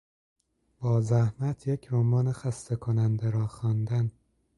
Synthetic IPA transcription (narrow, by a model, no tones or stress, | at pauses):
b̥ɒːzæhmæt̪ʰjecʰɾomɒːnexæst̪ekʰonænd̪eɾɒːxɒːnd̪æn